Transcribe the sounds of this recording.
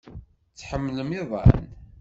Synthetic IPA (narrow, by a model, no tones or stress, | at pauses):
t͡sːħəmːləmiðˤɑ̰n